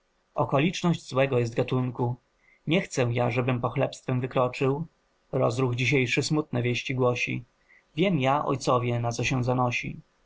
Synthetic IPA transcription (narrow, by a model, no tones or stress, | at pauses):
ɔkɔlʲit͡ʂnɔʑd͡ʑzwɛɡɔjɛst̪̚ɡat̪uŋku | ɲɛxt̪sɛ̃jaʐɛbɘmpɔxlɛpst̪fɛmvɘkɾɔt͡ʂɘw | ɾɔzɾuɣd͡ʑiɕ̬ejʂɘsmut̪̚nɛvʲjeɕt͡ɕiɡwɔɕḭ | vʲjɛmjaʔɔ̰jt̪sɔvʲjɛnat̪sɔɕɛw̃zanɔɕḭ